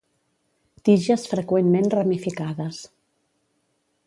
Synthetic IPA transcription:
t̪iʒəsfɾəkwenmenrəmifikaðəs

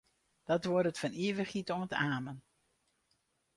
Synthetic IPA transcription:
d̥ɑtʋɔdətfɑniːvəχitɔŋətaːmən

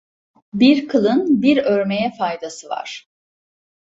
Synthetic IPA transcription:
biɾkʰɯlˠɯnbiɾøɾme̞jɛfajd̪asɯva̰ɾ̥

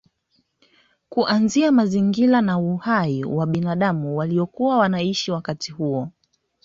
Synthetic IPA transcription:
kuʔanziamaziŋɡilanauhaiwaɓinaɗamuwaliɔkuwawanaiʃiwakatihuɔ

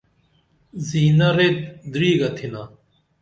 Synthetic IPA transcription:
ziːnɐɾet̪d̪ɾiːɡɐt̪ʰina

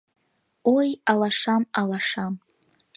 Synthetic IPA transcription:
ojalaʂamalaʂam

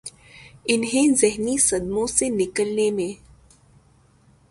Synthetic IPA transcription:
ɪnɦẽzɪɦnisɐd̪mõsenɪkəlnemẽ

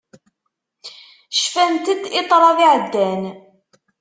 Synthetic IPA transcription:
ʃfænt̪əd̪ɪt̪ˤɾˤɑðiʕəd̪ːæn

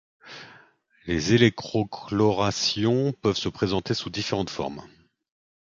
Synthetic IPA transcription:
lezelɛk̚t̪χɔklɔʁasjɔ̃pœvsəpχezɑ̃t̪esud̪ifeʁɑ̃t̪fɔ̰ʁm

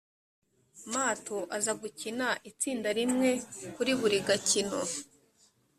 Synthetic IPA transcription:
maːto̞ʔazaɡucinaʔit͡siːndaɾimŋe̞kuɾiβuɾiɡacino

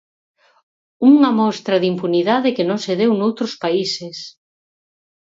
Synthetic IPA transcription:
uŋɐmɔst̪ɾɐðimpuniðaðɪkenõŋseðewnowt̪ɾʊspaises

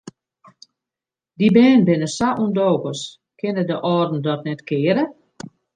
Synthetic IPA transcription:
dibɛːnbɪnəsaʔundoːkəs | kɪnədəʔɔːdn̩dɔtnɛtkɪːɾə

